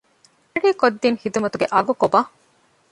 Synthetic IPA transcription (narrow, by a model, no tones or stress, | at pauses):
ɐɽiːkod̪ːinhid̪umɐt̪uɡeʔɐɡukoba